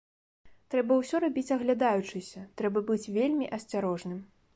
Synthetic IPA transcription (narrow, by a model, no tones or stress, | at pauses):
t̪ɾɛbɐwsʲɔɾabʲit͡sʲɐɣlʲad̪ajut͡ʂɨsʲɐt̪ɾɛbɐbɨt͡sʲvʲelʲmʲiʔɐsʲt͡sʲaɾɔʐnɨm